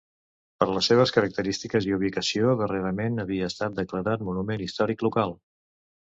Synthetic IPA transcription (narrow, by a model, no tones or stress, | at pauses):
pəɾləsːeβ̞əskəɾək̚t̪əɾist̪ikəziuβ̞ikəsioðəreɾəmenəβiəːst̪at̪̚d̪əkləɾat̪munumenist̪ɔɾiklukalˠ